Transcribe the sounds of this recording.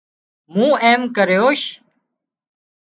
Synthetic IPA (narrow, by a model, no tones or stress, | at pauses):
mũːʔeːmkəɾjoːʃ